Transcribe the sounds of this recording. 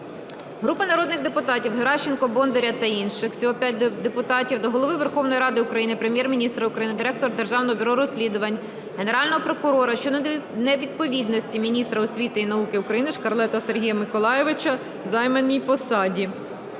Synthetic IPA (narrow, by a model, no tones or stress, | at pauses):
ɦɾupɐnɐɾɔd̪nɪxd̪epʊt̪ɑtʲiwɦeɾɑʃːɪnkɔbɔnd̪eɾʲɐt̪ɐinʃɪxw̥sʲiɦɔpʲjat̚ʲd̪epʊt̪ɑtʲiwd̪ɔɦɔlˠɔʋɪʋerxɔwnɔjiɾɑd̪ɪʊkɾɐjinɪpɾemʲjɛrmʲinʲist̪ɾɐʊukɾɐjinɪd̪ɪɾɛk̚t̪ɔɾd̪erʒɑwnɔɦɔbʲʊɾɔɾɔsʲlʲid̪ʊʋɐnʲ | ɦeneɾɑlʲnɔɦɔpɾɔkʊɾɔɾɐʃt͡ʃɔnɛʋʲid̪̚pɔʋʲid̪nɔsʲtʲimʲinʲist̪ɾɐɔsʲʋʲit̪ɪinɐukɪʊkɾɐjinɪʃkɐɾlˠɛt̪ɐserɦʲijɐmɪkɔlˠɑjɛʋɪt͡ʃɐ | zɑjmenʲːijpɔsɑdʲi